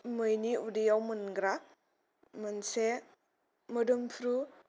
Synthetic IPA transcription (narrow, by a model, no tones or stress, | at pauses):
mɯjniudijawmɯnɡɾa | mɯnse | mɯdumpʰɾu